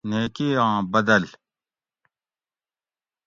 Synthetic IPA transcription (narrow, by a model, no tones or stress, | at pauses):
neːkeãːbɐd̪ɐl